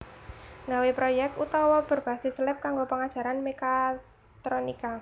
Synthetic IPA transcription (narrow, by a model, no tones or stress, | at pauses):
ŋɡawepɾojɛk̚t̪ut̪ɔwɔb̥ə̤rb̥a̤sɪslɛp̚kaŋɡopəŋad̥ʒ̥ä̤ɾanmeka | t̪ɾonika